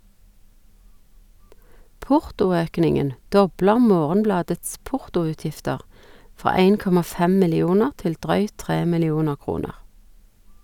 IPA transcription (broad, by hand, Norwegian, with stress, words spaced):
ˈpʊʁtʊˌøːknɪŋən ˈdɔbləʁ ˈmoːʁənˌblɑːdəts ˈpʊʁtʊʉːˌtjɪftəʁ ˈfʁɑː ˈæɪn ˈkɔmɑ ˈfɛm mɪlɪˈuːnəʁ ˈtɪl ˈdʁœʏt ˈtʁeː mɪlɪˈuːnə ˈkʁuːnəʁ